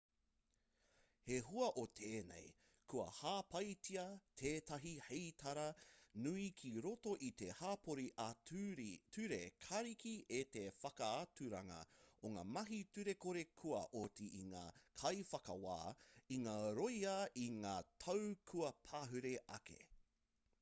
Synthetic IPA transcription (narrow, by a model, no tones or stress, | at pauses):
heɦuɐʔot̪ʰeːnḛj | kʰuɐ̰haːpɐjtiɐt̪ʰeːtɐɦihetʰɐɾɐnuikʰiɾoto̞ʔit̪ehaːpʰoɾiʔa | tʰʉɾekʰɐɾikiʔet̪efɐkɐatʉɾɐŋɐ̰oŋa̰ːmɐɦitʉɾe̞koɾe̞kʰuɐ̰ʔotiiŋa̰ːkʰɐjfɐkɐwa̰ːiŋaːɾojɐʔiŋaːtʰɐwkʰuɐpʰaːɦʉɾeʔɐ̰kḛ